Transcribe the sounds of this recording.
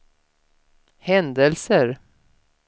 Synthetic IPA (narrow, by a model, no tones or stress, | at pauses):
hɛnd̪əlsəɾ